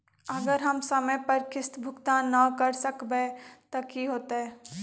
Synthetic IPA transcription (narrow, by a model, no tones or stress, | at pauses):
ɐɡəɾɦɐmsɐməjpɐɾkɪst̪bʱʊkt̪anɐkɐɾsəkbet̪ɐkiɦoːt̪aɦɛː